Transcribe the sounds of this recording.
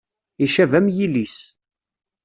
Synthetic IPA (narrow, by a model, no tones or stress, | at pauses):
iʃævæmjilis